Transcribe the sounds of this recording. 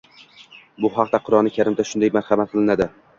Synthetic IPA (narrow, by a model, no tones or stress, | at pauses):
bʊɦɑq̚d̪aqʰʊɾɒnɪkʲʰaɾɪmd̪aʃʊnd̪ajmaɾχɑmat̪̚qʰɨlˠɪnad̪ɪ